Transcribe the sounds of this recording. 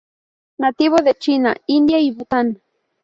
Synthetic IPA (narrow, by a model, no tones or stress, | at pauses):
nat̪iβoðet͡ʃina̰ind̪jaibut̪an